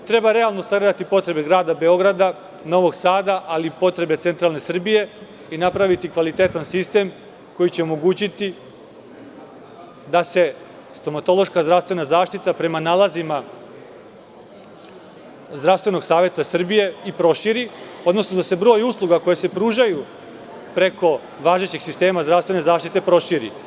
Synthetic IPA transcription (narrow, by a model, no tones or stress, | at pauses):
t̪ɾe̞baɾe̞alˠno̞saɡɾed̪at̪ipo̞t̪ɾe̞be̞ɡɾaːd̪abe̞o̞ɡɾad̪a | no̞ʋo̞ɡsaːd̪aʔalipo̞t̪ɾe̞be̞t̪se̞nt̪ɾalnesr̩bije̞ | inapɾaʋit̪ikʋalit̪e̞t̪ansist̪e̞m | ko̞jit͡ɕe̞omo̞ɡuːt͡ɕit̪i | d̪ase̞ | st̪o̞mat̪o̞lo̞ʃkazd̪ɾaʋst̪ʋe̞nazaːʃt̪it̪apɾe̞manaːlazima | zd̪ɾafst̪ʋe̞no̞ɡsaːʋje̞t̪asr̩bije̞ipɾo̞ʃiɾio̞d̪no̞snod̪ase̞bɾo̞juslˠuɡako̞jese̞pɾuːʒaju | pɾe̞ko̞ | ʋaːʒe̞t͡ɕeɡ̥sist̪e̞ːmazd̪ɾavst̪ʋene̞zaːʃt̪it̪e̞pɾo̞ʃiːɾḭ